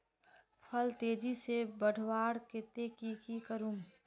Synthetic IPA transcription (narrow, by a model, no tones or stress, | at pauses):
pʰɐlt̪eːd͡ʒisebəɽ̤ʱwaːɽkɪt̪ekikikəɾũm